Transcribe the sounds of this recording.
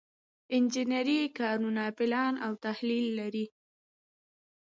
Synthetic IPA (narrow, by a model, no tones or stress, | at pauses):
ɪnd͡ʒɪnaɾikɑnunapɪlɑnawt̪ahlilːaɾi